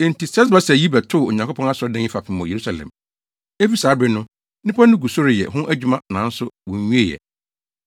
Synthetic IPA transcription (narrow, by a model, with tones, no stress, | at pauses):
e˨n̩˨ti˨sɛ˦s̬ba˦sɛ˨ji˦bɛ˨tʰʊ˦˨o˨ɲã˨ŋko˦pʰɔ̃˦a˦sʊ˨˦ɔ˦dɛ̃˦ɪ˦fa˨pʰɪ˨mɔ̃˨je˨ɾu˦sa˨lɛ̰̃˨m | e˦fi˦saː˨˦bɪ˦nʊ̃˦ | nɪ̃˦pʰa˦nʊ̃˦ɡu˨so˦ɾɪ˨jɛ̰˨ɦʊ̃˦ʔæ˦d͡ʑᶣu˦mã˦nã˨˦n̩˦sʊ˦wɔ̃˨ɲ˦ɲũ˦e˦˨jɛ̰˨